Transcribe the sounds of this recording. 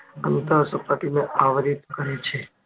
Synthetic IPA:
ənt̪əɾsəpaʈineʔaʋɾit̪kəɾet͡ʃʰe

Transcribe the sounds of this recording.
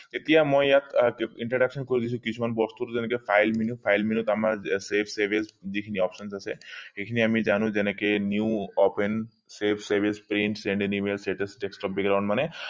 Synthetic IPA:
t̪et̪ijamɔ̃jat̪iɳʈɾɔɖakʃənkɔɾid̪it͡ʃʰũkit͡ʃʰumanbɔst̪uɾd͡ʒenekepʰajlminupʰajlminut̪amaɾsepʰseɾʋisd͡ʒikʰiniɔpʃənsaseekʰiniamĩd͡ʒanũd͡ʒenekenjuːɔpen | sepʰsəɾʋispɾiɳʈsẽɳɖenimelsʈeʈesʈeksʈɔp̚bɛkɡɾawɳɖmane

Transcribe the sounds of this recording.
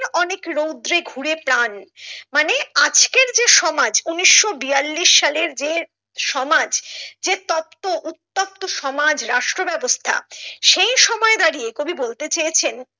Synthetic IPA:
ɾɔnekɾowd̪ɾeɡʱuɾepɾanmanead͡ʑkeɾd͡ʑeʃɔmad͡ʑuniʃːobijalːiʃːaleɾd͡ʑe | ʃɔmad͡ʑd͡ʑet̪ɔpt̪oʔut̪ːop̚t̪oʃɔmad͡ʑɾaʃʈɾobɛbost̪ʰa̰ʃejʃɔmɔed̪aɾiekobʱibolt̪et͡ɕejet͡ɕʰen

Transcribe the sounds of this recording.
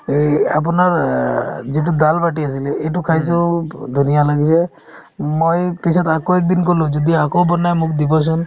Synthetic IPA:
a̰p̬ɔnaɾ | d͡ʒeʈ̬ud̪albaʈias̬ileeʈ̬ukʰajsɔd̪ʱunijalaɡise | mojpisʰɔt̪akoek̚d̪ink̬ɔlũd͡ʒɔd̪iakobɔnajmukʰd̪ibɔs̬ʰɔn

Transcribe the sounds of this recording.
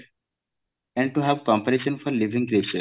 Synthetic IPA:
ɛ̃ɳɖ̚ʈuɦɛʋkɔ̃mpəɾeʃə̃nfɔɾliʋʱĩŋkɾet͡ʃəɾ

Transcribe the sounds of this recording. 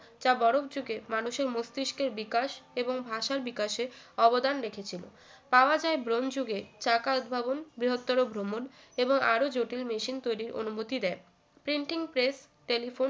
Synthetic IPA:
d͡ʑabɔɾobd͡ʑuɡemanuʃeɾmost̪iʃkeɾbikaʃeboŋbʱaʃaɾbikaʃe | ɔbod̪anɾekʰet͡ɕʰilo̰ | paoad͡ʑaebɾond͡ʑuɡet͡ɕakaud̪̚bʱabonbɾiɦot̪ːɔɾobʱɾomon | eboŋa̰ɾod͡ʑoʈilmeʃint̪ojɾiɾʔo̰numot̪id̪ɛe | pɾiɳʈiŋpɾes | ʈelifon

